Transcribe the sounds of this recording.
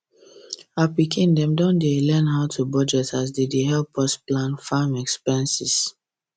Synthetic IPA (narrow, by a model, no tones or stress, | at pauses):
apikʰĩndɛ̃mdɔ̃ndelɛ̃nɦaʊtʰubɔd͡ʒɛtʰas̬dideɦɛlpɔsplãnfamɛkspɛ̃nsis